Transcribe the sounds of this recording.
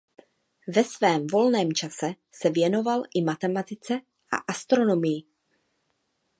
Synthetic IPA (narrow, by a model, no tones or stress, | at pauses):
vɛsvɛːmvo̞lnɛːmt͡ʃasɛ | sɛvjɛno̞valʔɪmat̪ɛmat̪ɪt͡sɛ | ʔa̰ʔast̪ɾo̞no̞mɪjɪ